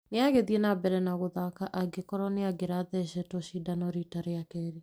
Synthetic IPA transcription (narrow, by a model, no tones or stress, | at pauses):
neaɣeðiɛnabɛɾɛnaɣoðakaʔaɡekɔɾɔneaɡeɾaðɛʃɛtɔʃidanɔɾitaɾeakɛɾi